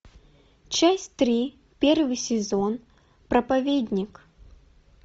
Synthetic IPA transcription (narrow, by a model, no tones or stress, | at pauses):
t͡ɕasʲt̪ɾʲi | pʲervɨsʲɪzon | pɾɐpavʲedʲnʲik